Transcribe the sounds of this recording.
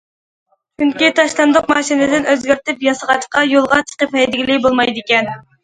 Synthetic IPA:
t͡ʃʰyŋkʲit̪ʰɑʃlˠɑnd̪ʊqmɑːʃinɪd̪ɪnøzɡʲøɾt̪ɪpjɑsəʁɑt͡ʃqɑjolˠʁɑt͡ʃʰə̥qəphɛjd̪ɪɡʲilɪbolˠmɑjd̪ɪkʲɛn

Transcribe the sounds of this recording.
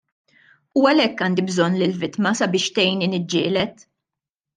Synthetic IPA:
uɐlɛkːɐːnd̪ibzɔnːlɪlvɪt̪mɐsɐbɪːʃt̪ɛjninɪd͡ʒːɪːlɛt̪

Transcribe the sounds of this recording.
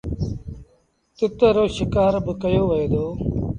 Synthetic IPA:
t̪ɪt̪əɾoːʃɪkaːɾbəkəjoːʋəeːd̪oː

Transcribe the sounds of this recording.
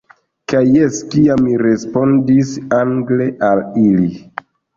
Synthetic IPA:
kajːeskiamːiɾe̞spo̞ndisaŋɡleʔalili

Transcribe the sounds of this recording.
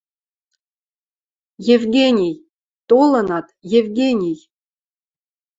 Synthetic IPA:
jevɡʲenʲij | t̪olɤ̆nɑt̪jevʲɡʲenʲij

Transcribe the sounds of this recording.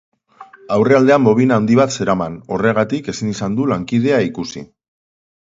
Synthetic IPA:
awre̞ald̪e̞ambo̞β̞inawnd̪iβat̪se̞ɾamano̞re̞ɣat̪ike̞sinisand̪ulaŋkið̞e̞aikusḭ

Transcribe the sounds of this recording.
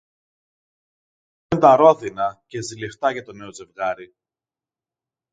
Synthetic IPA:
end̪ɐɾo̞ðinɐce̞zileft̪ɐʝɐt̪o̞ne̞o̞ze̞vɣɐɾi

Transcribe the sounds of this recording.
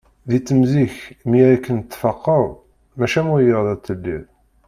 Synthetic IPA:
ðit͡sːəmziçmiæɾækːənt̪ːfɑqːəðˤ | mæʃæmʊjəʁðˤæt̪ːəlːḭðˤ

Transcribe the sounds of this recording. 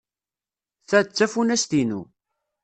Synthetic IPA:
θæt͡sːæfunæst̪inṵ

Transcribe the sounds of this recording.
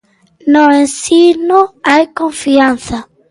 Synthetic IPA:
noẽnsinoajkõɱfiãnθa

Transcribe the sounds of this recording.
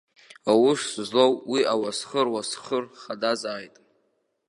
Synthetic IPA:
awʊszlowwiawasχərwasχərχadazaːjtʼ

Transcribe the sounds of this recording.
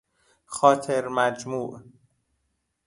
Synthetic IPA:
xɒːt̪ʰeɾmæd͡ʒmuːʔ

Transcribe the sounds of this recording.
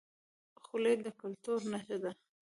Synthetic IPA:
xuled̪əkʊlt̪uɾnaʃəd̪a

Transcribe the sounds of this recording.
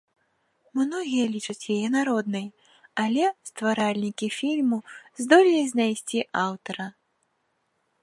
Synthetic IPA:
mnɔɣʲijɐlʲit͡ʂɐt͡sʲjajɛnaɾɔd̪nɨj | alʲɛst̪vaɾalʲnʲikʲifʲilʲmuzd̪ɔlʲilʲizʲnajsʲt͡sʲiʔawt̪ɐɾɐ

